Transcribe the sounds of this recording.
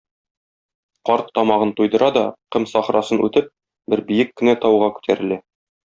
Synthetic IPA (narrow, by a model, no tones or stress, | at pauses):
qɒɾt̪ːɒmɑʁɤnt̪ujd̪ɤ̆ɾʔɑd̪ɒqɤmsɒχɾɑsɤnʔʉ̰t̪ɘp̚ | bɘɾbijɘkːɘ̆næt̪ɒwʁɑkʉ̥t̪ʰæɾɘ̆læ